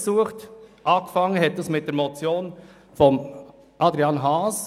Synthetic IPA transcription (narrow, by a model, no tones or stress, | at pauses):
suːəχtʔɑːkfɑŋːənɦɛt̚dɑsmɪt̚d̥eːɐɾmɔt͡sjoːn | fɔm | ʔɑdɾiɑnɦɑːs